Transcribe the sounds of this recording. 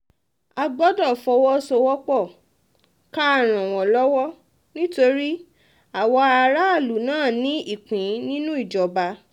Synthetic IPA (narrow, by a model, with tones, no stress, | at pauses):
a˧ɡ͡bɔ˦dɔ˦˨fɔ˧wɔ˦sɔ˧wɔ˦k͡pɔ˦˨ | ka˦a˦˨ɾ̃ã˨w̃ɔ̃˨lɔ˦wɔ˦ | nĩ˦to˧ɾi˦ | a˨wɔ˧a˧ɾa˦a˦˨lu˨˦nãː˦˨nĩ˨˦i˦˨k͡pĩ˨˦nĩ˦nũ˦i˦˨d͡ʒɔ˨ba˧